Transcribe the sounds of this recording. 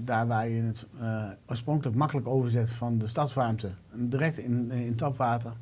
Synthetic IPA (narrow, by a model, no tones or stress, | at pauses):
daːɹʋaːjəɪnətoəsproŋkələkmɑkələkowvəɹzɪtfɔndəstɑtsʋaɹmtədiːrɛk̚tɪɪntɔpʋaːtər